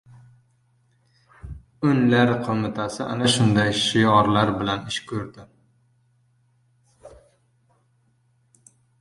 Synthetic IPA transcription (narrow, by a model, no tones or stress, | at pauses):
ʊnlaɾqʰomɪt̪ʰasɪʔa̰naʃʊnd̪ajʃɪjɒɾlaɾbɪlanɪʃkʰɵɾd̪ɪ